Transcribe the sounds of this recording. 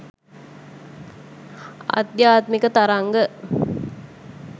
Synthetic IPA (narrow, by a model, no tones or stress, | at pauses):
ɐ̰d̪jaːt̪mikət̪aɾaŋɡə